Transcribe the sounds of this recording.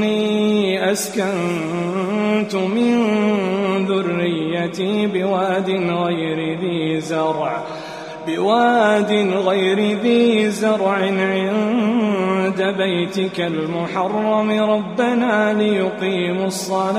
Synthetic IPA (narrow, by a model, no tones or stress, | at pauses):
iːʔaskan | t̪ʊmɪn | ðʊrːɪjːat̪ibɪwaːd̪ɪnɣajɾɪðiːzɑɾˤʕ | bɪwaːd̪ɪnɣajɾɪðiːzɑɾˤʕɪnʕɪn | d̪abajt̪ɪkalmʊħɑrˤːɑmɪɾˤɑbːanaːlɪjʊqiːmʊsˤːɑl